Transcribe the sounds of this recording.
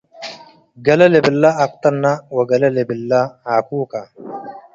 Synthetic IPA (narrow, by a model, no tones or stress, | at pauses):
ɡɐlɐlɛbɪlːaːk̚t̪ɐnːawɐɡɐlɐlɛbɪlːaaːkuːkɐ